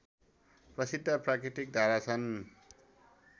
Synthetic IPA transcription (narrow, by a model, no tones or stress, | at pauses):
prʌsid̪ʱːʌprakɾiʈik̚d̪ʱaɾat͡sʰʌn